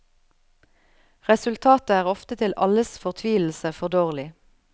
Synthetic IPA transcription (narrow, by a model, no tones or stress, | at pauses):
ʁɛsʉlt̪ʰɑːt̪əæːʁɔft̪ət̪ʰɪlʔɑləsfɔʁt̪ʰʋiːll̩səfɔʁd̪oːʁlɪ